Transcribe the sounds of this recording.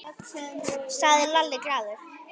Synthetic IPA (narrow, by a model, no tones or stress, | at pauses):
st̪aːðɪlalːɪkɾaːðʏɾ̥